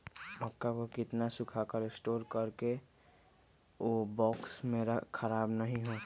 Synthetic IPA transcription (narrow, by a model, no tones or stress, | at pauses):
ɐkːakokɪt̪nasʊkʰakəɾɪsʈoːɾkəɾke | oːbɔːksmẽɾkʰəɾaːbnəɦĩɦoː